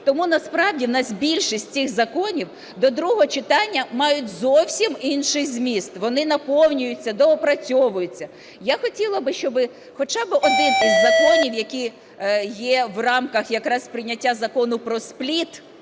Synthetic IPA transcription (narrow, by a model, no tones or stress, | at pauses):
t̪ɔmunɐspɾɑwdʲiwnɑsʲbʲilʲʃisʲtʲt͡sʲɪxzɐkɔnʲiw | d̪ɔd̪ɾuɦɔɔt͡ʃɪt̪ɑnʲːɐmɑjʊtʲzɔwsʲiminʃɪzʲmʲist̪ʋɔnɪnɐpɔwnʲʊjʊt͡sʲːɐd̪ɔɔpɾɐt͡sʲɔʋʊjʊt͡sʲːɐ | jaxɔtʲilˠɐbɪʃt͡ʃɔbɪ | xɔt͡ʃɑbɪʔɔd̪ɪnt̪ɪzzɐkɔnʲiwjɐkʲi | jɛʋrɑmkɐxjɐkɾɑsʲpɾɪnʲɐtʲːazɐkɔnʊpɾɔsplʲit̪